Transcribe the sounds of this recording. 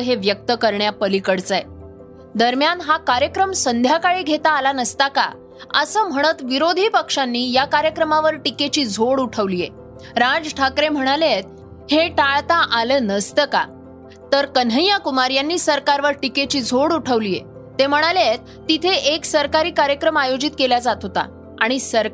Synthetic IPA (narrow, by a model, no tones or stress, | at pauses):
ɦeʋjək̚t̪əkəɾɳjapəlikəɽt͡saj | d̪əɾmjanɦakaɾjəkɾəmsənd̪ʱjakaɭiːɡʱet̪aːlanəst̪aka̰ | əsəːm̤əɽ̃ət̪ʋiɾod̪ʱiːpəkʂãnːiːjakaɾjəkɾəmaʋəɾʈiket͡ɕiːd͡zʱoɽuʈʰəʋlije | ɾad͡zʈʰakɾem̤əɽ̃alet̪̚ | heʈaɭt̪aʔalənəst̪əka̰ | t̪əɾkənɦəjakumaɾjanːiːsəɾkaɾʋəɾʈiket͡ɕiːd͡zʱoɽuʈʰəʋlije | t̪em̤əɽ̃alet̪ːit̪ʰeʔeksəɾkaɾiːkaɾjəkɾəmajod͡ʑit̪kelad͡zat̪ɦot̪a̰ | aɽ̃isəɾ